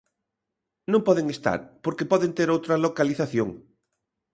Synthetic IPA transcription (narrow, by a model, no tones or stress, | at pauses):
nõmpɔðeŋest̪a̰ɾpoɾkepɔðent̪eɾowt̪ɾɐlokaliθaθjoŋ